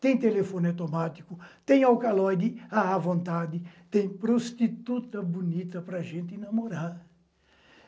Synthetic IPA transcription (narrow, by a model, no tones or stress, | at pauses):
t̪ẽj̃t̪elefõnat̪omat̪ikʊt̪ẽj̃awkalɔjd̪ɪaavõnt̪ad̪ɪt̪ẽj̃pɾost̪it̪ut̪ɐbunit̪ɐpɾɐʒẽnt̪ɪinɐmoɾaɾ